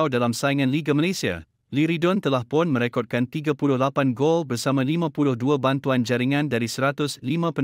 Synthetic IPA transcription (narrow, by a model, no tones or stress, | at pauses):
wdalamsaiŋãnliɡamalasia̰ | liɾidɔnt̪əlahpʊnmə̃ɾekɔt̪̚kant̪iɡapulʊhlapanɡɔlbərsamãlimãpulʊhduabant̪uand͡ʒaɾiŋãndaɾisəɾat̪ʊslimãpə